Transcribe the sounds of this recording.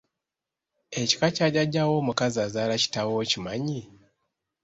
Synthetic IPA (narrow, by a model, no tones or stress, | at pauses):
eci̥kacaɟaɟawomukazazaːlaci̥tawocimaɲi